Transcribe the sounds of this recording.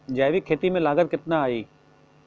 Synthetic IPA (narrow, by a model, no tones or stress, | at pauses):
d͡ʒɐːʋikʰeːt̪imẽlaːɡət̪̚kɪt̪naaːiː